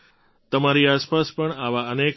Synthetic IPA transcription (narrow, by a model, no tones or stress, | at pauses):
t̪əmaɾiaspaspəɳaʋaənek